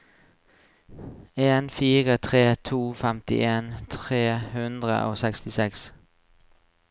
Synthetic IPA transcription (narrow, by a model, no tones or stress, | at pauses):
eːnfiːʁət̪ʰʁeːt̪ʰuːfɛmt̪ɪ̰ʔeːnt̪ʰʁeːhʉnd̪ʁə̰ʔo̰ːsɛkst̪ɪsɛks